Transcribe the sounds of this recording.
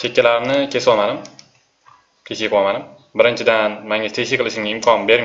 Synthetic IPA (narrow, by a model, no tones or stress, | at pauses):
t͡ʃʰekʲːalaɾnɪkʲʰe̞swɒmanɪm | kʲʰeʃiqʰwɒmanɪm | bɪɾɪnt͡ʃʰɪd̪anmaŋʲat̪ʰeʃɪjqʰɨlˠɪʃɪmɡʲaɪmkʰɒnbe̞ɾm